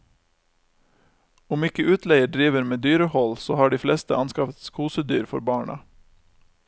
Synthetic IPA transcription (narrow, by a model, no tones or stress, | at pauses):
ʊmɪkəʔʉːt̪ʰleɪəɖɾiːʋəɾmeːd̪yːɾəhɔlso̰ːhɑːɖiːflɛst̪əʔɑnskɑfət̪skʰuːsəd̪y̰ːɾfɔ̰ɾbɑːɳə̰